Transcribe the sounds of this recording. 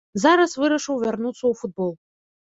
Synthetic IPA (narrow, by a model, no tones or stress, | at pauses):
zaɾasvɨɾɐʂowvʲarnut͡s̪ʰowfut̪̚bolˠ